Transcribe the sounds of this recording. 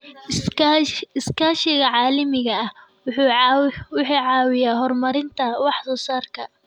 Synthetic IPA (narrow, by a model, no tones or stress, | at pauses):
ɪskʰaːʃɪɣɐʕɑːlɐmɪɣɐɐh | wʊħuːʕɑːwɪjaːɦɔrmɐɾɪnt̪ʰɐwɑħsɔːsaːrkʰɐ